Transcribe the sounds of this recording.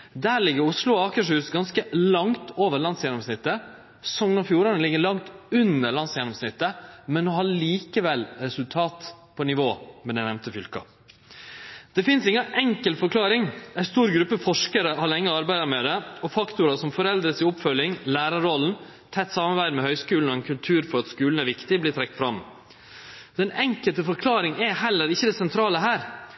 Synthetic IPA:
d̪æːɾɭɪɡːəɾʊslʊɑːkəʂhʉːsɡɑnskəlɑŋt̪ʰoːʋəɾɭɑnsjɛnɔmsnɪt̪ːə | sɔmnɔɾfjuːɾɑnəlɪɡːəɭɑŋt̪ʉnːəɭɑnsjɛnɔmsnɪt̪ːəmɛnːɔhɑɭiːkəʋɛlɾɛsʉlt̪ʰɑːt̪pʰɔnɪʋoːmɛd̪ɛɪnɛmt̪əfʏlkɑ̰ | d̪̥ɛfɪnsɪŋːəʔɛŋkəlfɔɾkʰlɑːɾɪŋæɪst̪uːɾɡɾʉpːəfɔʂkəɾəhɑɾlɛŋːəɑɾbæɪd̪əɾmɛd̪ɛɔfɑkt̪ʊɾɑsɔmfɔɾɛld̪ɾəsɪʊpfœljɪŋlæːɾɑɾɔln̩ | t̪ʰɛt̪ːsɑmɑɾbæɪd̪mɛhœʏskʉːn̩ɔɛnkʰʉlt̪ʰʉːɾfɔɾɑt̪skʉːln̩æɾʋɪkt̪ɪblɪt̪ʰɾɛk̚t̪fɾɑm | ɛnʔɛŋkəlt̪əfɔɾkʰlɑːɾɪŋɛhɛlːəɾɪçːəd̪ɛsɛnt̪ʰɾɑːləɦæːɾ

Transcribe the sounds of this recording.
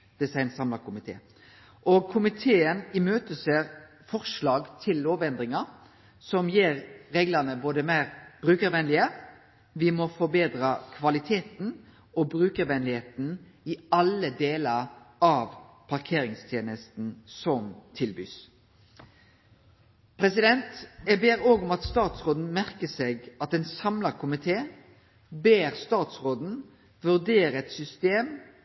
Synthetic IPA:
d̪̥ɛsɑɪnsɑmlɑkʰʊmɪt̪ʰḛː | ʔɔɡkʰʊmɪt̪ʰeːənɪmøːt̪əseɾ | fɔʁʂlɑːɡt̪ʰɪlːoːʋɛnd̪ɾɪŋɑ | sɔmjeːɾːeːɡlənəboːd̪əmæɪɾb̥ɾʉːkəɾʋɛnlɪə | ʋɪmɔfɔbeːd̪ɾɑkʰʋɑlɪt̪ʰeːt̪n̩ | ɔbɾʉːkəɾʋɛnlɪheːt̪n̩ | ɪɑləd̪eːləɾɑʋpʰɑʁkʰeːɾɪŋst̪ʰjeːnəst̪n̩sɔmt̪ʰɪlby̰ːs | pʰɾɛsɪd̪ɛnt̪jɛbeːɾoːɡɔmɑt̪st̪ɑːt̪sʁoːd̪n̩mæʁkəseːɡɑt̪ɛnsɑmlɑkʰʊmɪt̪ʰeː | beːʁst̪ɑːt̪sʁoːd̪n̩ | ʋʉʁd̪eːɾəɛt̪sʏst̪eːm

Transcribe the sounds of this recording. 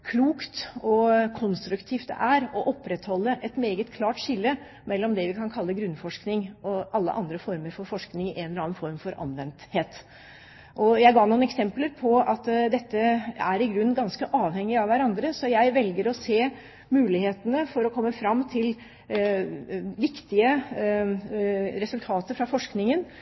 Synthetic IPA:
kʰluːkt̪ɔkʰɔnst̪ɾʉkt̪ʰiːft̪d̪ɛ̰ʔæɾɔʔɔpːɾɛt̪hɔlːəʔɛt̪meːɡət̪kʰlɑːʈʂɪlːə | mɛlːɔmd̪ɛʋɪkʰɑnkʰɑlːəɡɾʉnfɔʂknɪŋɔʔɑlːə̰ʔɑnd̪ɾəfɔɾməɾfɔɾfɔʂknɪŋɪʔɛnlɑːnfɔɾmfɔɾɑ̰nʋɛnt̪heːt̪ | ʔɔjæɪɡɑːɳuːnɛksɛmpləɾpʰɔɑt̪d̪ɛt̪ːəæɾɪɡɾʉnːɡɑnskəʔɑːʋhɛŋːɪɑʋæɾɑnd̪ɾəsɔjæɪʋɛlɡəɾɔseː | mʉːlɪheːt̪ənəfɔɾɔkʰɔmːəfɾɑmːt̪ʰɪl | ʋɪkt̪ɪə | ɾɛsʉlt̪ʰɑːt̪əfɾɑfɔʂknɪŋən

